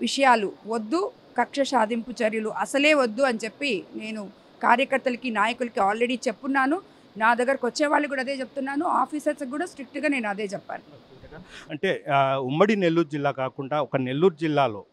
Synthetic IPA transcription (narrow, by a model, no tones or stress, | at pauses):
ʋiʂɐjaːluʋod̪ːu | kɐkʂɐʃaːd̪ʱimput͡ʃɐɾjɐluʔɐsɐle̞ːʋod̪ːuɐnit͡ʃe̞pːine̞ːnu | kaːɾjɐkɐɾt̪ːɐlɐkinaːjɐkulɐkiaːlɾeɽiːt͡ʃepːunːaːnu | naːd̪ɐɡɐɾkʋɐt͡ʃːɛːʋaːɭːɐkuːɽaɐd̪e̞ːt͡ʃeput̪unːaːnua̰ːpʰiːsɐɾsɐk̚ɡuːɽaːsʈɾik̚ʈɡaːne̞ːnɐd̪e̞ːt͡ʃɛpːa̰ːnu | ɐɳʈe̞ːumːɐɽine̞lːuːɾd͡ʒilːaːkaːkuɳɖaːɔkɐne̞lːuːɾd͡ʒilːaːlo̞̰ː